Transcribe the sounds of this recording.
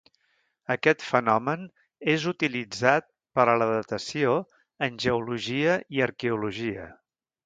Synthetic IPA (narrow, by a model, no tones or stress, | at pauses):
əkɛt̪fənɔmən | ezut̪ilid͡zat̪̚ | pəɾələðət̪əsio | ənʲʒəuluʒiəiəɾkeuluʒiə̰